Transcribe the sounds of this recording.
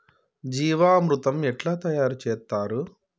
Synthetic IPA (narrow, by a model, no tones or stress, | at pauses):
d͡ʒiːʋaːɐmɾɯt̪ɐmɛʈlaːt̪ɐjaːɾt͡ʃeːt̪ːaːɾɯ